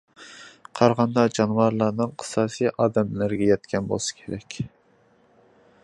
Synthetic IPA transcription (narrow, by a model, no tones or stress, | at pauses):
qʰɑɾʁɑnd̪ɑd͡ʒɑnwɑɾlˠɑnɨŋqʰɨ̥sɑːsijʔɑːd̪ɛmlɪɾɡʲɛjɛt̪kʲɛnbo̰lˠɨsɨ̥kʲʰeɾɛkʲ